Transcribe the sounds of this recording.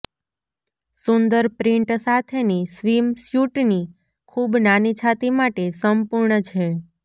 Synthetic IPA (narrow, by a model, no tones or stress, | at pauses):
sund̪əɾpɾĩɳʈsat̪ʰenisʋimsjuʈni | kʰubnanit͡ʃʰat̪imaʈesəmpuɾɳət͡ʃʰe